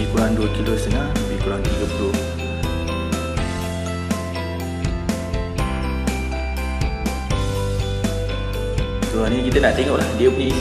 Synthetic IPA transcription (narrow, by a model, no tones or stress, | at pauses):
ikuɾaŋduəkilost̪ənãhəbikuɾaŋt̪iɡəpulo | suanĩkit̪ənaʔt̪eŋɔʔlahdiəunĩ